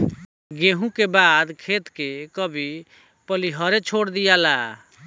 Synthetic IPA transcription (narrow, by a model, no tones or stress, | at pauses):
ɡeɦũkebad̪kʰet̪kekəbʱi | pəliɦəɾet͡ʃʰoɽd̪ijala